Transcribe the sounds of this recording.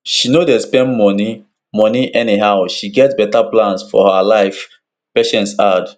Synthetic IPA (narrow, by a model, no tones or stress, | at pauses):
ʃinodespɛ̃ndmɔni | mɔniʔɛniɦaʊʃiɡɛtbɛtaplãnsfɔ̰haalaɪf | peʃɛ̃ntsad